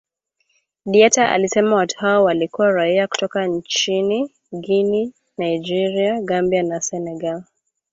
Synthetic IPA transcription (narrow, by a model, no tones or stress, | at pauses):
ɗiɛtaʔa̰lisɛmawatu̥haɔwalikuwaɾaiaku̥tɔkant͡ʃini | ɡini | najd͡ʒiɾiaɡambianasɛnɛɡal